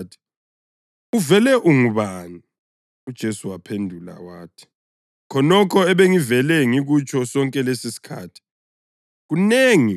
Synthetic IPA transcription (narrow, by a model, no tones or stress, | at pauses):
tʰi̥ | uvɛlɛʔuŋuβani | ud̥ʒ̥ʱesuwapʰendʱula̰waːtʰi̥ | kʰɔnɔkʰɔɛβeŋivɛlɛŋiɣut͡ʃʰʼɔsɔŋkʼɛlesisi̥kʰa̰ːtʰi̥ | ɣuneːŋi